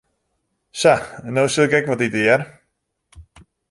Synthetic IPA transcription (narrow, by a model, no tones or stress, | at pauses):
sanːowsilˠɪkɛkʋɔtitɪər